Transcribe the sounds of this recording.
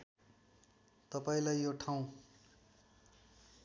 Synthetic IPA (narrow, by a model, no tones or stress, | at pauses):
t̪ʌpaĩlajːoʈʰaw̃